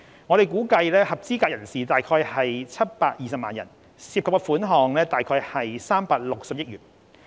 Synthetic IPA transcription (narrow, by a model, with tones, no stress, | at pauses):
ŋɔ˨˧ɾe˨jkuː˨˥kɐ˧jlɛː˥hɐ˨p̚t͡siː˥kaː˧k̚jɐ˨˩nsiː˨˩t̪aː˨jkʰɔː˧jhɐ˨jt͡sʰɐ˥t̚paː˧k̚jiː˨˩sɐ˨p̚maː˨njɐ̰˨˩n | siː˧p̚kʰpkɛ˧fuː˨˥nɦɔː˨ŋlɛː˥t̪aː˨˩jkʰɔː˧jhɐ˨jsaː˥mpaː˧k̚lʊ˨k̚sɐ˨p̚jɪ˥t̚ɥyː˨˩n